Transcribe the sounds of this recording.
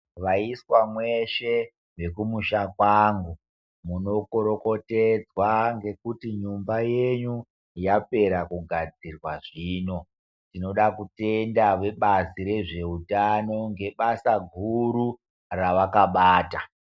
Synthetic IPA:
ʋaiswamwe̞ʃe̞ | ʋe̞kumuʃakwaŋɡu | muno̞ko̞ɾo̞ko̞ted͡zwaŋɡe̞kutiɲumbajeɲu | jape̞ɾakuɡʱad͡zirwaʐiːno̞ | tino̞ɗakute̞ndaʋe̞ɓaziɾe̞ʐe̞utano̞ŋɡe̞ɓasaɡʱuɾu | raʋakaɓaːta

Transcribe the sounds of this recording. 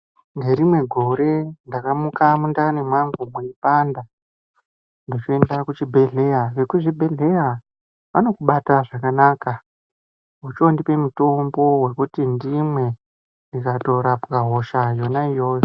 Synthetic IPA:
ŋɡe̞ɾimwe̞ɡʱo̞ɾe̞ndakamukamundanemwaŋɡumwuipanda | ndot͡ʃoe̞ndakut͡ʃibʱe̞ɮe̞jaʋe̞kuʐibʱe̞ɮe̞ja | ʋano̞kuɓataʐakanaːka | ɦut͡ʃondipe̞muto̞mbo̞we̞kutindimwe̞ | ndikato̞ɾapkaɦo̞ʃajo̞naijo̞ːjo

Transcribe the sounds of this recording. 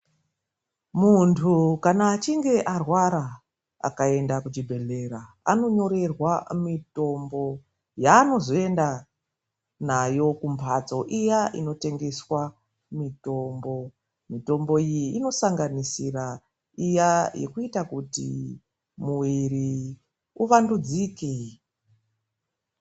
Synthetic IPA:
muntʰukanaːt͡ʃiŋɡe̞ʔarwaɾa | a̰kae̞ndakut͡ʃibʱe̞ɮe̞ɾa | ano̞ɲo̞ɾe̞rwamito̞mbo̞ | jaːno̞zo̞e̞nda | najo̞kumpʰat͡so̞ʔijaʔino̞te̞ŋɡe̞swa | mito̞mbo̞ | mito̞mbo̞ijiːno̞saŋɡanisira | ijajʔḛkuitakutḭ | muwiɾi | uʋandud͡zike

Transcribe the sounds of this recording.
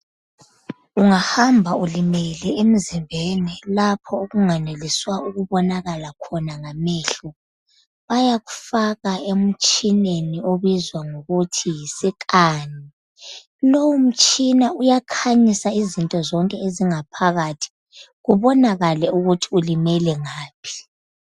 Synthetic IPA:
uŋahambʱaulimelɛem̩zimbʱeːnilapʰɔoɣuŋaneliswauɣuβɔnaɣalakʰɔnaŋameːɬu | βajaɣu̥faɣaem̩t͡ʃʼinenioβizwaŋoɣutʰijisikʼaːni | lowum̩t͡ʃʼinaujakʰaɲisaizintʼɔzɔŋkʼɛeziŋapʰaɣatʰi̥ | ɣuβɔnaɣalɛuɣutʰiulimɛlɛŋaːpʰi̥

